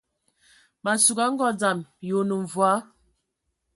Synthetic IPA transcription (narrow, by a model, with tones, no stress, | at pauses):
ma˨su˨ɡa˨˦ŋ̩˦ɡɔ˦d͡za˨mjo˨˦nə˨ɱ˨vwa˦